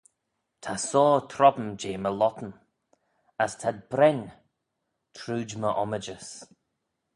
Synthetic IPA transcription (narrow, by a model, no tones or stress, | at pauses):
tʰasɔːt̪ʰɾɔbn̩d͡ʒeːməlɔtən̩ | astʰad̚bɾɛn | tʰɾuːd͡ʒməʔɔməd͡ʒəs